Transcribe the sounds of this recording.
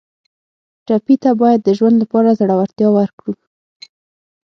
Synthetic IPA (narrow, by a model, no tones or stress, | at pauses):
ʈapit̪abɑjad̪ːəʒwand̪lapɑɾazaɽawaɾt̪jɑwaɾkɽu